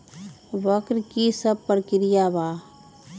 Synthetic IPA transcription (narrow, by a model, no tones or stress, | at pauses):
ʋəkɾkisəb̚pəɾkɪɾɪjabaː